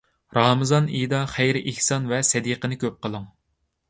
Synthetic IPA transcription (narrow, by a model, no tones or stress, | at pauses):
ɾɑmɨzɑnid̪ɑχæjɾɪʔɪhsɑnvɛsɛd̪iqənɨkʲʰøp̚qəlˠəŋ